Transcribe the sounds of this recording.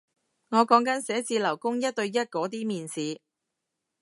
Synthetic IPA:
ŋɔː˨˧kɔː˨˥ŋkɐ˨˥nsɛː˨˥t͡siː˧lɐ˨˩wkʊ˥ŋjɐ˥t̚t̪ɵ˧ɥjɐ˥t̚kɔː˨˥t̪̬iː˥miː˨˧nsiː˨˧

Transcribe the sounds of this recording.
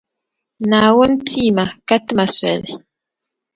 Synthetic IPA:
na˨wo˦n˦tʰi˦ma˨ka˦tma˨swɛ̰˨l

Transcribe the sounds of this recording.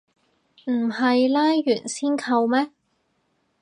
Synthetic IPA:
m̩˨˩hɐ˨jlaː˥jːyː˨˩nsiː˥nkʰɐ˧wmɛː˥

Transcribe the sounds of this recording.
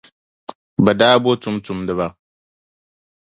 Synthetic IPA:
ba˨daː˦bo˦tu˦mtʊ˨mdɨ˦βa˦

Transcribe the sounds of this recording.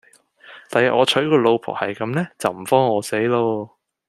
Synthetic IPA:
t̪aː˨jɐ˨ʔɔː˨˧t͡ʃʰɵ˨˥ɥkɔː˧lo˧wpʰɔ̰ː˨˩hɐ˨jkɐ˨˥mlɛː˥t͡sɐ˨wm̩˨˩fɔː˥ŋɔː˨˧se˨˥jloː˧

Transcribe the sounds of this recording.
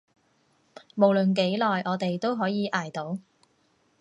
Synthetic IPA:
mo˨˩wlɵ˨nk̬e˨˥jlɔː˨jɔː˨˧t̪e˨jt̪o˥wɦɔː˨˥jiː˨˧ʔaː˨˩jt̪o˨˥w

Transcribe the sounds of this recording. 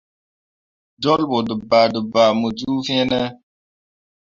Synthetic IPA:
d͡ʒɔ˦lbo˨də˨ba˨də˨ba˨mu˨d͡ʒu˦fɛ̃˦nɛ˦

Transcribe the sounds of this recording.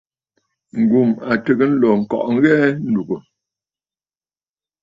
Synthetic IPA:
ŋ̩˨ɡu˨ma˨tə˨ɡə˦n̩˦lɔ˨ŋ̩˨kɔ̰˨ʔŋ̩˦ɣɛ˦n̩˦du˨ɡə˨

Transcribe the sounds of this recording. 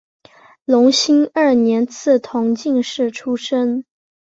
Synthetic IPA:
lʊ˧˥ŋɕi˥ŋə˥˩njɛ˧˥nt͡sʰɹ̩˥˩t̪ʰʊ˧˥ŋt͡ɕi˥˧ŋʂɻ̩˥˩ʈ͡ʂʰu˥ʂə˥ŋ

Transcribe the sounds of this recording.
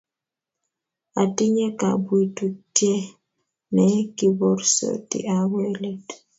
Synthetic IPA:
a̰˨tɪ˦ɲɛ˦ka̰˨bwi˨tu˨tjɛ˦ | nɛ˨˦ki˨bɔ˦ɾsɔ̰˨tḭ˨ʔa˨wɛ˦le˦t

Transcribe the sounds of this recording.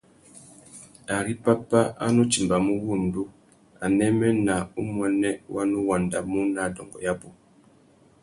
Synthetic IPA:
a˨ɾi˦pa˦pa˦ʔa̰˦nu˦t͡ʃi˨mba˨mu˦wu˦˨n˨du˦ | a˨nɛ˦mɛ˦na˨ṵ˦mwɛ˨nɛ˦wa˦nu˦wa˨nda˨mu˦na˨dɔ̰˨ŋɡɔ̰˨ja˦bu˨

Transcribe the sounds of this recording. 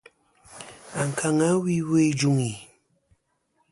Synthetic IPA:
a˨ŋ˨kʰa˨ŋa˦wi˦we˦˨d͡ʒu˦ŋi˨

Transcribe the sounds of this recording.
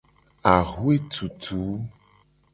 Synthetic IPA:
a˨ɣu˦e˦t̪u˨t̪ʰu˨˦

